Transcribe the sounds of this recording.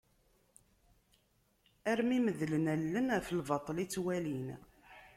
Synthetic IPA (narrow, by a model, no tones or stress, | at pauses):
æɾmiməðlənælːənfəlvɑt̪ˤːlit͡sːwælin